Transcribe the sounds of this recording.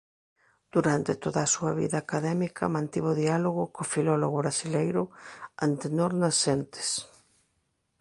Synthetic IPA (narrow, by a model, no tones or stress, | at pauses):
d̪̥uɾant̪ɪt̪oðɐːsuɐβḭðaːkaðɛmikʰɐ̰mãnt̪iβʊðialoɣʊkofilɔloɣʊβɾasilejɾʊant̪enoɾnasent̪ɪ̥s